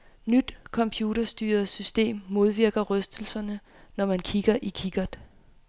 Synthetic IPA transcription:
nyd̥kʰɒ̽mpʰjuːɾɐsd̥y̰ːɐð̩ˠsysd̥e̝̰ːmːo̝ð̞ˠʋiɐ̰ɡ̥ɐʁœsd̥l̩sɐnə | nɒmænkʰiɡ̥ɐʔikʰiɡ̥ɐd̥

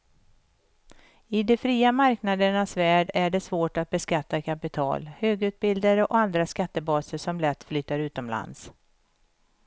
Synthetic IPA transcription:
ɪd̪ɛfɾiːamaɾknad̪əɳasvæːɖæɖɛsvoːʈat̪̚bɛskat̪ːakʰapɪt̪ʰɑ̰ːlhøːɡʉ̟ːt̪̚bɪld̪aɾəʔɔand̪ɾaskat̪ːəbɑːsəʂɔmlɛt̪ːflyːt̪aɾʉ̟ːt̪ɔmla̰ns

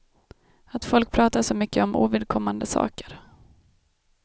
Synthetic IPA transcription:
at̪fɔlk̚pʰɾɑːt̪aʂɔmʏkːəɔmʔṵːvɪd̪̚kʰɔmːand̪əsɑ̰ːkəɾ

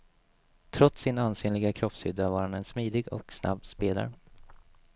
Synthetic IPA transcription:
t̪ʰɾɔt̪sːɪnanseːnlɪɡakʰɾɔpshʏd̪ːavaːɾhanɛnsmiːd̪ɪɡɔ̰ksna̰bːspeːla̰ɾ

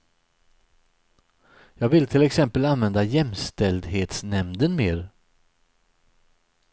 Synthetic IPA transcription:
jɑːɡvɪlt̪ʰɪlɛksɛmpəlanvɛnd̪ajɛmst̪ɛld̪ɦeːt̪snɛmd̪ənmeːɾ

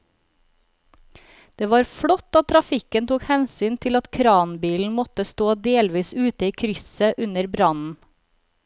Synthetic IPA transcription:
d̪̥eːʋɑːɾfɽɔt̪ːɑt̪t̪ʰɾɑfɪkənt̪uːkhɛnsyːnt̪ʰɪlɑt̪kʰɾɑːnbiːln̩mɔt̪əst̪oːd̪eːlʋiːsʉːt̪əiːkʰɾʏsəʔʉnəɾbɾɑnn̩

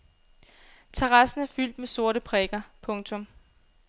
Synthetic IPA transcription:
t͡sʰeʁɑ̈sn̩æɐfyl̰d̥meso̝ɐ̰ɾəpʰʁɛɡ̥ɐpʰɔ̽ŋt͡sʰɔ̽m

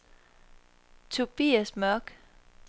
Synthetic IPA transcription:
t͡sʰub̥iːæsmœɡ̥

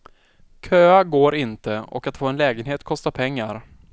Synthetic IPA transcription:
kʰøːaɡoːɾɪnt̪əɔ̰kat̪foːɛnlɛːɡənɦeːt̪kʰɔst̪apʰɛŋːaɾ

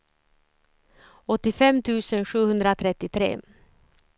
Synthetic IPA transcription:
ɔt̪ːɪfɛmt̪ʰʉ̟ːsənɧʉ̟ːhɵnd̪ɾat̪ʰɾɛt̪ːɪt̪ʰɾḛː

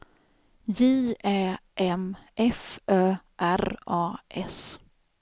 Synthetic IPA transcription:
jeːɛːʔɛmʔɛfœː | ʔæɾʔɑːʔɛs

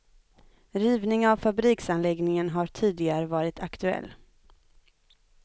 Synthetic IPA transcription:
ɾiːvnɪŋavfabɾiːksanlɛɡnɪŋənɦaʈʰiːd̪lɪɡaɾəvɑːɾɪt̪ʰakt̪ɵɛ̰lː

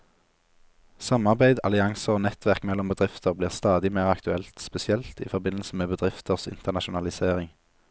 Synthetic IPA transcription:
sɑmɑʁbæɪd̪ɑ̰lɪɑŋsəoːnɛt̪ʋæʁkmɛlːɔmbəd̪ʁɪft̪ʰəʁbliːʁst̪ɑːd̪ɪmæɪʁɑkt̪ʉɛlt̪spɛsɪɛlt̪ḭːfɔʁbɪnl̩səmeːbəd̪ʁɪft̪ʰəʁsɪ̰nt̪əʁnɑʃʊnɑlɪseːʁɪŋ

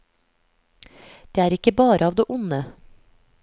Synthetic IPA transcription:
d̪̥eːæːɾɪkəbɑːɾʔəɑːʋd̪eːʔʊnə

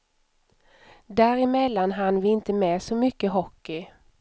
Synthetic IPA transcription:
d̪æɾɪmɛlːanɦanːvɪɪnt̪əmɛːsɔmʏkːəɦɔkːɪ

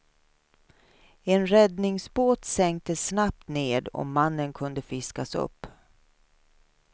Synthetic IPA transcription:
ɛnɾɛd̪nɪŋsboːt̪sɛŋk̚t̪əsnap̚t̪neːd̪ɔ̰ːanːənkʰɵnd̪əfɪskasɵ̰pː

